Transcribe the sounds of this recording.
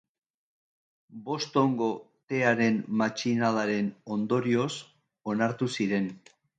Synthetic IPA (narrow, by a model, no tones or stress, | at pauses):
bo̞st̪o̞ŋɡo̞ | t̪e̞aɾe̞nmat͡ʃinalaɾe̞no̞nd̪o̞ɾio̞s | o̞naɾt̪usiɾe̞n